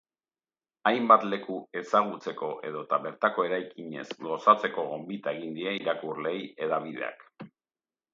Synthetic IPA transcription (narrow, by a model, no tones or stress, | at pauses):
ajmbat̪le̞kue̞saɣ̞ut͡se̞ko̞ʔe̞ð̞o̞t̪aβe̞ɾt̪ako̞e̞ɾajkiɲe̞̰zɡo̞sat͡se̞ko̞ɣo̞mbit̪aeɣ̞ind̪ieniɾakurle̞je̞ðaβiðe̞̰a̰k